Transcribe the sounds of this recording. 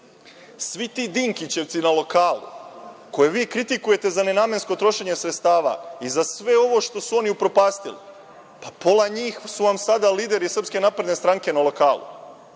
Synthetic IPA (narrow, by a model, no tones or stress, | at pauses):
sʋit̪iːd̪iːŋkit͡ɕe̞ʋt̪sinalo̞kaːlṵko̞je̞ʋiːkɾit̪ikuje̞t̪e̞zane̞naːmje̞nsko̞t̪ɾo̞ʃe̞ɲe̞sɾet̪st̪aːʋa̰izasʋe̞o̞ʋo̞ʃt̪o̞suo̞niupɾo̞paːst̪ilḭ | papo̞laɲiːxsuʋamsad̪aliːd̪e̞ɾisr̩pske̞napɾe̞d̪ne̞st̪ɾaŋke̞nalo̞kaːlṵ